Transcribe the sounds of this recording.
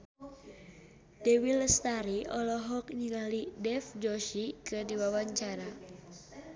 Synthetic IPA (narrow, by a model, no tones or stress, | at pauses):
d̥ɛwilst̪aɾiʔɔlɔɦɔk̚ɲiŋalidɛfd͡ʒɔʃikɨdiwawaɲt͡ʃaɾa